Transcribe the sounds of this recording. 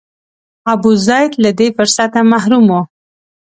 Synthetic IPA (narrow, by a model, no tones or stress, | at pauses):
abuzɑjd̪lad̪efʊɾsat̪amaɦɾumo